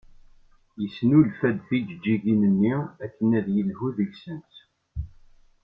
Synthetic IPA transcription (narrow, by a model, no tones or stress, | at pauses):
jəsnulfæd̪fid͡ʒəd͡ʒːiʝinənːiækːənæðjəlhuðəɡsənt̪